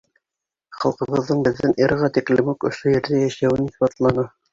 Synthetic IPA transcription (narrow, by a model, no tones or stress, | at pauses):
χɑ̰lˠqɤ̆ʁɤ̆ðːɤɴbɘ̆ðːɘniɾʁɑt̪iklɘmukŏ̰ʃojɘ̆ɾðæjæʃæwɘniθbɑt̪lˠɑnɤ